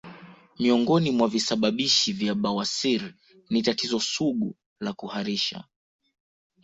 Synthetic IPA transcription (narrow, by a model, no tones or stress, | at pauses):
miɔŋɡɔnimwavisaɓaɓiʃivjaɓawasiɾ | nitatizɔsuɠu | lakuhaɾiʃa̰